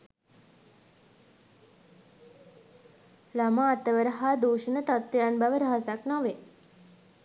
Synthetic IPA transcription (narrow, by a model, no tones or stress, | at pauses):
lamaːt̪əʋəɾəɦad̪uːʃənət̪at̪wjanbaʋəɾəɦasaknɔʋe